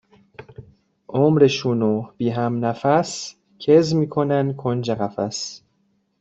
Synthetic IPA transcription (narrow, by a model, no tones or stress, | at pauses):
ʔomɾeʃunoːb̥iːɦæmnæfæs | cʰezmiːkʰonæn̚kʰond͡ʒæɣæfæs